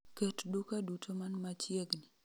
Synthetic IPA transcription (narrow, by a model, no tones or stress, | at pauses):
ketdukadutʰomanmat͡ʃjeɡni